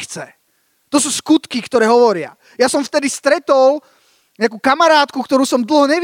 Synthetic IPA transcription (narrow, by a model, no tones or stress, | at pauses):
t͡sɛ | t̪ɔsuːskut̪kikt̪ɔɾɛːɦɔʋɔɾɪa̰ | jasɔmft̪ɛd̪ist̪ɾɛt̪ɔl | ɲak̬ukamaɾaːt̪kukt̪ɔɾuːsɔmd̪l̩ɦɔɲɛʋ